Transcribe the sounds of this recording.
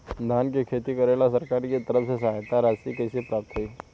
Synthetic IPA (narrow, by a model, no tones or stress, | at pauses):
d̪ʱankikʰet̪iːkəɾalasəɾkaɾket̪əɾəsesaɦt̪aɾasikeɕipɾap̚t̪əi